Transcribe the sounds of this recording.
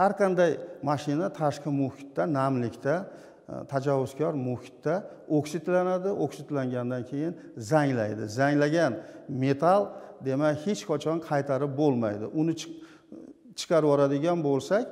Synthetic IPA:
haɾqʰɑnd̪ajmaʃɪnat̪ʰaʃqɨmʊhɪt̪ːanamlɪkʲt̪ʰa | t̪ʰad͡ʒawːʊz̥kʲʰɒɾmʊhɪ̥t̪ːa | oksɪt̪lanad̪ɪʔoksɪt̪laŋɡʲand̪ankʲʰe̞jɪn | zaŋlajd̪ɪ̰zaŋlaɡʲanme̞t̪ʰalˠd̪e̞makʲhet͡ʃqʰɑt͡ʃʰɒnqʰɑjt̪ʰaɾɪp̚bolˠma̰jd̪ɪ̰ʔʊnɪt͡ʃ | t͡ʃʰɨ̥qʰɑɾvɒɾad̪ɪɡʲanbolˠsakʲ

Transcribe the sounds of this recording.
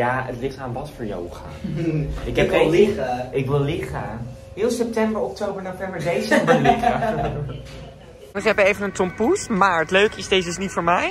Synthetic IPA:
jaːə̰tlɪχtaːnʋɑtfəːɹjo̰wχa̰ | ɪkɛɪlɪəɪkʋɪlˠlɪχə | ɦɪːlˠsɛp̚tɛmbəɹɔktowbəɹnovɛmbəɹdejsdəlɪχə | nɪkɛbejvənəntɔmputmaːɹətløɥkɪsdejsɪsnitfʊːɹmɛj

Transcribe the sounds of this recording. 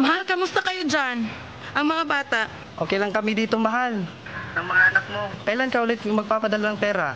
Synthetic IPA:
mɐɦalkɐmʊst̪ɐkɐjod͡ʒan | ʔɐŋmɐŋabaːt̪aʔ | ʔoːkɛjlɐŋkɐmid̪iːt̪oŋmɐɦal | ʔɐŋmɐŋaʔɐnak̚mo̞kɐʔjlankɐʔuːlɪt̪̚ʊŋmɐɡ̚paːpɐd̪ɐlaɐŋpɛːɾa

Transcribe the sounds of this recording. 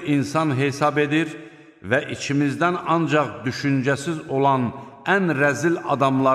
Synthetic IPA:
insɑnɦe̞sɑbe̞d̪iɾ | væʔit͡ʃʰimizd̪ænɑnd͡ʒɑχd̪yʃynd͡ʒæsizo̞lˠɑn | ænɾæzilɑ̰d̪ɑmlˠɑ

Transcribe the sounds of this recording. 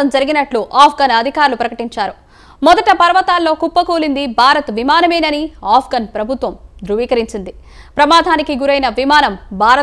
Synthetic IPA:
ɐmd͡ʒɐɾiɡinɐʈluʔaːpʰɡɐnɐd̪ʱikaːɾulupɾɐkɐʈiɲt͡ʃaːɾu | mɔd̪ɐʈɐpɐɾɐʋɐt̪aːlːo̞ːkupːɐkoːlind̪ibʱaːɾɐt̪ʋimaːnɐmeːnɐniaːpʰɡɐnpɾɐbʱut̪ʋɐmd̪ɾuʋiːkɐɾiɲt͡ʃind̪i | pɾɐmaːd̪ʱaːnikiɡuɾɐjnɐʋimaːnɐmbʱaːɾɐ

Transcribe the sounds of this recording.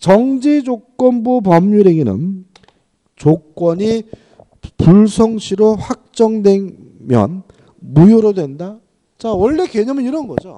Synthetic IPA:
t͡ɕʌŋd͡ʑid͡ʑok͈wʌnbup̬ʌmɲuɾeɡinɯ̰n | t͡ɕok͈wʌɲi | puɭsʰʌŋɕʰiɾoɸwak̚t͡ɕ͈ʌŋdwe̞n | mjʌ̰n | mujoɾodwe̞nda | t͡ɕawʌɭːe̞ke̞ɲʌmɯniɾʌnɡʌd͡ʑo̰

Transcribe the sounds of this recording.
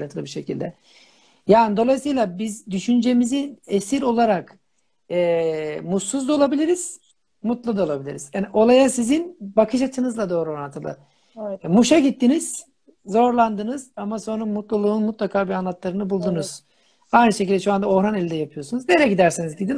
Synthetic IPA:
lɯnt̪ʰɯlˠɯbiɾʃe̞cʰḭlʲd̪ɛ | jaːnid̪o̞lˠajsɯjlˠabizd̪yʃynd͡ʒe̞mizinesiɾo̞lˠaɾak | ɛːmuuzd̪o̞lˠabilʲiɾiz̥ | mut̪lˠud̪ao̞lˠabilʲḭɾiz̥aniʔo̞lˠajasizinbakʰɯʃat̪ʰɯnɯzlˠad̪o̞ːɾuoɾant̪ʰːɯlˠɯ̰ | muʃaɟit̪ʰːiniz̥ | zo̞ɾlˠand̪ɯnɯz̥amaso̞nɾumut̪lˠulˠuːnmut̪lˠakʰaːbianlˠat̪lˠaɾɯnɯbulˠd̪unuz̥ | ajnɯʃecilʲd̪ɛʃuand̪ao̞hɾanelʲind̪ɛjapʰɯjo̞sunuzne̞ɾɛɟid̪æɾsinizɟid̪in

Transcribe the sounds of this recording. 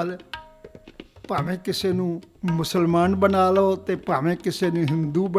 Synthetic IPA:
l | paːmẽkɪsenũːmʊsəlmaːnbənaːloːt̪epaːmẽkɪsenũɦɪmd̪ubə

